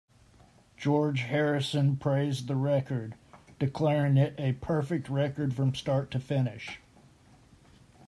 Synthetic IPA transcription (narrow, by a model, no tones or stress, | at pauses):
d̥ʒ̥ɔɹd͡ʒhɛɹɨsɨ̃npʰɹ̥eɪzðəɹɛkə˞dɨkʰl̥ɛɹɪ̃ŋɪɾʔɨpʰɜ˞fɨk̚t̚ɹɛkə˞d̥fɹʌ̃mstɑɹtʰɨfɪnɪʃ